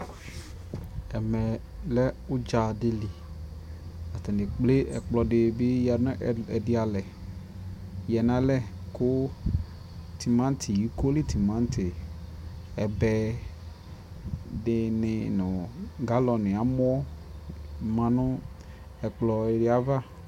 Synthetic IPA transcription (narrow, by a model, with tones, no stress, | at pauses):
ɛ˨mɛ˨ | lɛ˦u˦d͡ʒa˨de˦li˨ | a˨t̪a˨ne˨k͡ple˦ʔɛ˨k͡plɔ˨ɖɪ˨be˦ja˨nʊ̃˦ʔɛ˨di˦a˨lɛ˨ | jɛ˨nã˨˦lɛ˦ | ko˦ | t̪i˨mã˦n˦t̪ʰi˨ji˦ko˦li˦t̪i˨mã˦n˦t̪ʰe˨ | ɛ˨bɛ˦ | dɪ˦nɪ˨nʊ̃˨ɡa˦lɔ˨nɪ̃˨a˨mɔ˦ɔ˦ | mã˨nʊ̃˦ | ɛ˨k͡plɔ˨e˨ɖe˦a˦va˦